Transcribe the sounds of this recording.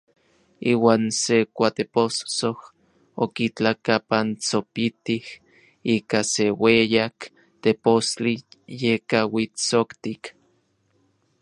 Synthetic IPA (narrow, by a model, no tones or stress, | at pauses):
iːwaːnsekʷat̪epost͡soh | okit͡ɬakapant͡sopit̪ih | iːkasewejak | t̪epost͡ɬijekawit͡sokt̪ik